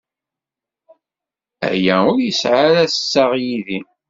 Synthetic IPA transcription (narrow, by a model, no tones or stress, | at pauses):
æ̰jæʊɾjəsʕaɾæsə̥sːaʁjiði